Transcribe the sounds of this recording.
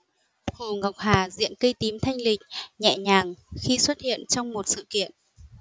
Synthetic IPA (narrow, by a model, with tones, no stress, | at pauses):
hu˨˩ɣa˨˩wk͡p̚haː˨˩zḭ˧˨ənkə˧jt̪i˨˦mt̪ʰa˧jŋ̟lï˨˩k̟̚ɲɛ̰˧˨ɲaː˨˩ŋxi˧swə˦˥t̚hḭ˧˨ənt͡ɕɔ˧wŋ͡mmo˨˩t̚sɨ̰˧˨kḭ˧˨ənʔ